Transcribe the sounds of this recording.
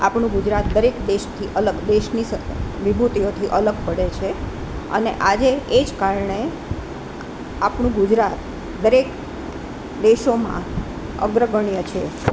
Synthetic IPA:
a̰pɳũɡʊd͡ʒɾat̪̚d̪əɾekd̪eʃt̪ʰiʔələɡd̪eʃnisəʋibʱut̪iot̪ʰiʔələɡpəɽet͡ʃʰe | ə̰neʔad͡ʒeːd͡ʒkaɾɳe | apɳũɡʊd͡ʒɾat̪ | d̪əɾek | d̪eʃomã̰ | ə̰ɡɾəɡəɳijət͡ʃʰe

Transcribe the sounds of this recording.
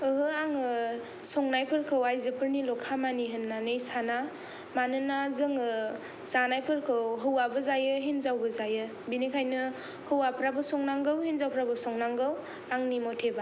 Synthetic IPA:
ɯɦɯaŋɯ | sɔŋnajpʰɯɾkʰɯwajzɯpʰɯɾnilɔkʰamaniɦɯnːanɯjsana | manɯnazɯŋɯ | z̥anajpʰɯɾkʰɯwɦɯwabɯzajɯɦenzawbɯzajɯ | binikʰajnɯ | hɯwapʰɾabɯsɔŋnaŋɡɯwɦenzawpʰɾabɯsɔŋnaŋɡɯw | aŋnimɔtʰeba

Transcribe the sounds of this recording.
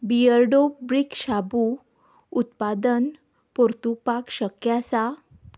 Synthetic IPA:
biəɾɖobɾikɕabu | ut̪pad̪ən | poɾt̪upakɕəkjasa

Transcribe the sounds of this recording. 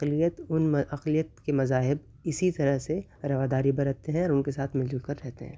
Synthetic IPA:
ɐqlijət̪ʊnɐqlijət̪kemɐzaːɦɪb | ɪsit̪ɐɾəɦse | ɾɐʋaːd̪aːɾibɐɾət̪eɦɛ̃ɔːɾʊnkesaːt̪ʰmɪld͡ʒlkɐɾːɛɦt̪ḛɦɛ̃ː

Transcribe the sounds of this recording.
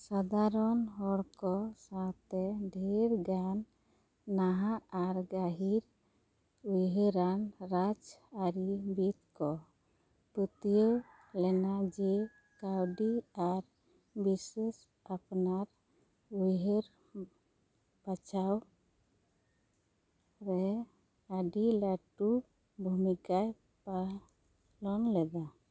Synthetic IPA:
sad̪ʱaɾɔnɦɔɽkɔsãt̪ɛɖʱiɾɡanː | aɦaːɾɡaɦiɾ | ujɦəɾanɾad͡ʒaɾibit̪kɔ | pət̪ijə | lɛnad͡ʒɛ | kawɖiaɾ | bises | apnaɾ | ujɦeɾ | pat͡ʃʰaw | ɾɛ | aɖilaʈu | bʱumikaj | pa | lɔnlɛd̪a

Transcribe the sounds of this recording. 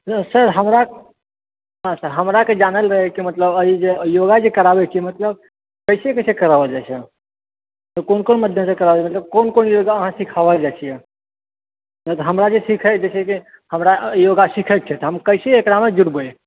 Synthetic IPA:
səɾɦəmɾa | ɦãsəɾɦəmɾaked͡ʒanəlɾəɦɛkimət̪ləbəid͡ʒejoɡad͡ʒekəɾabɛt͡ʃʰiɛmət̪ləb̚ | kəɪsekəɪsekəɾəbəld͡ʒat͡ʃʰɛ | t̪ɔkonkonməd̪ʱjesekəɾəbd͡ʒmət̪ləb̚konkonjoɡaəɦãsikʰaβəld͡ʒat͡ʃʰijɛ | nət̪ɔɦəmɾad͡ʒesikʰəd͡ʒet͡ʃʰɛki | həmɾajoɡasikʰək̚t͡ʃʰɛt̪ɦəmkəɪseːkɾamed͡ʒuɾboe

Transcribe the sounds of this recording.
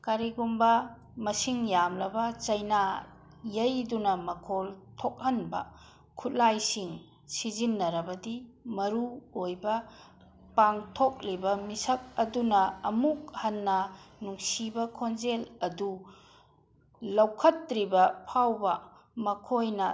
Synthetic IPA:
kaɾiɡumbɐ | mɐsiŋjamlɐbɐt͡ʃɐjna | jɐjdunɐmɐkʰoltʰok̚hɐnbɐ̰ | kʰut̚lajsiŋ | sizinːɐɾɐbɐdimɐɾuojbɐ | paŋtʰok̚libɐmisɐk̚ɐdunɐɐmuk̚hɐnːɐnuŋsibɐkʰonzelɐdu | lɐwkʰɐt̚ɾibɐpʰawbɐ | mɐkʰojnɐ

